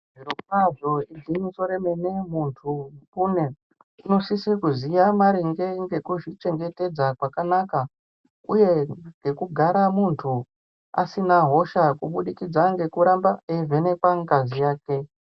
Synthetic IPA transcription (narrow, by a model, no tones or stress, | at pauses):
ʐirokaʐoiziniso̞ɾemenemuntʰupune | ino̞sisikuzijamaɾiŋɡe̞ŋɡe̞kuʐit͡ʃe̞ŋɡe̞te̞d͡zakwakanaka | uje̞ŋɡe̞kuɡʱaɾamuntʰu | a̰sinaɦo̞ʃakuɓuɗikid͡zaŋɡe̞kuɾambaevʱe̞ne̞kwaŋɡazijaːke̞